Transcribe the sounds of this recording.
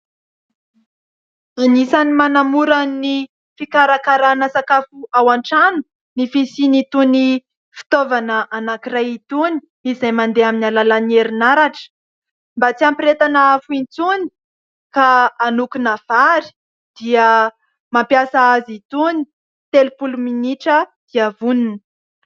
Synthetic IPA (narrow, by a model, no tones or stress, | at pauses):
anisanimanamuɾani | fikaɾakaɾanəsakafuawaɳʈ͡ʂanu̥ | nifisinit̪uni | fi̥t̪ovanəʔanakirajit̪uni̥ | izajmand̪eaminalalanieɾinaɾaʈ͡ʂə̥ | mbat͡siampiɾet̪anaafuint͡suni̥ | kaːnukunav̥aɾi̥ | d̪̥iə | mampjasaazit̪uni̥ | t̪elupuluminiʈ͡ʂəd̪̥iəvuninə̥